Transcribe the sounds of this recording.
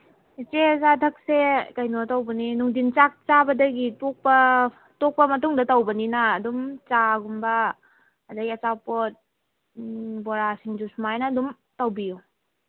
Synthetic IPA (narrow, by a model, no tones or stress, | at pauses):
it͡ʃezatʰɐk̚sekɐjnotɐwbɐninuŋdint͡ʃak̚t͡ʃabɐdɐɡitok̚pɐ | tok̚pɐmɐtuŋdɐtɐwbɐninɐːdumt͡ʃaɡumbɐː | dɐɡiɐt͡ʃawpot̚ | bɔɾasiŋd͡ʒusmajnɐːdum | tɐwbiju